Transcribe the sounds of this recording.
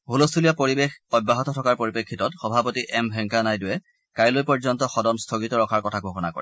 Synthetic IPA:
ɦulostulijapoɹibexɔjbːaɦɔtɔtʰɔkaɹpoɹipekʰːitɔtxɔbʱapɔtiʔɛmbʱɛŋkanajdʊwɛ | kajlojpɔɹzɔntɔxɔdɔnstʰoɡitɔɹɔkʰaɹkɔtʰaɡʱoxɔnakɔ̰ɹɛ

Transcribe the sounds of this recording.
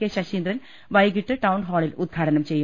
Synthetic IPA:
eɕɐʂiːnd̪ɾɐn | ʋɐjɡiʈːɨʈɐwɳɦoːɭilud̪̚ɡʰʱaːɽɐnɐmt͡ɕe̞jːu

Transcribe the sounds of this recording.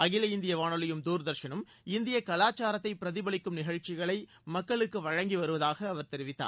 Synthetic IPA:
ɐɣɪlɐɪnd̪ɪjɐʋaːɳɯlɪjɯmd̪uːɾd̪ɐɾʂɐnɯm | ɪnd̪ɪjɐkɐlaːt͡ʃːaːɾɐt̪ːɐɪpɪɾɐðɪbɐɭɪkːɯmnɪɣɐɻt͡ʃːɪɣɐɭɐɪ | mɐkːɐɭɯkːɯʋɐɻɐŋɡiʋɐɾɯʋɐðaːɣɐːʋɐɾt̪ɛɾɪʋɪt̪ːa̰ː

